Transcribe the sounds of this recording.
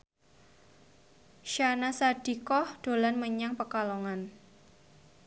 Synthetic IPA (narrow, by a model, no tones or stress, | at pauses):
ʃanasad̥i̤kɔhd̥o̤lanməɲaŋpəkalɔŋan